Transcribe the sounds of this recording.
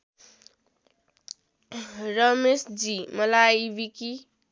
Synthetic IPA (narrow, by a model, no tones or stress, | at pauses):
rʌmesd͡zimʌlaibiki